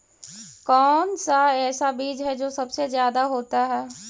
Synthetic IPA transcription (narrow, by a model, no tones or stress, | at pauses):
kɔːnsaɛːsabiːd͡ʒɦɛd͡ʒoːsɐbsezjaːd̪aɦoːt̪aɦɛː